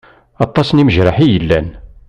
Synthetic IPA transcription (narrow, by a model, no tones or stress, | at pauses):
ɑt̪ˤːɑsniməʒɾˤaħijəlːæn